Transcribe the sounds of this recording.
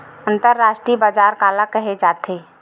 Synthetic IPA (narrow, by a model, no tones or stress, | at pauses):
ə̃nt̪əɾːaːʃʈɾiːbaːd͡ʒaːɾkaːlakəɦed͡ʒaːt̪ʰeː